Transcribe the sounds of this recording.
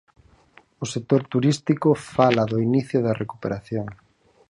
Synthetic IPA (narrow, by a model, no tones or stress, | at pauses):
ʊsek̚t̪oɾt̪uɾist̪ikʊfalɐðʊiniθjʊðɐrʔekupeɾaθjoŋ